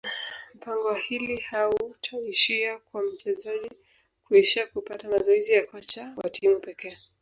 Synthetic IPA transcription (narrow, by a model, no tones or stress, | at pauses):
m̩paŋɡɔhilihautʰaiʃiakwam̩t͡ʃɛzaʄi | kuɛʃakupatamazɔizijakwat͡ʃawa̰tʰimupɛkɛː